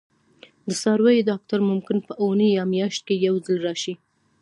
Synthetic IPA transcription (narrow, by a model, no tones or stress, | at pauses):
d̪əsɑɾwajed̪ɑk̚t̪aɾmʊmkɪnpəʔonəjɑmjɑʃt̪̚kejawzəlɾɑʃi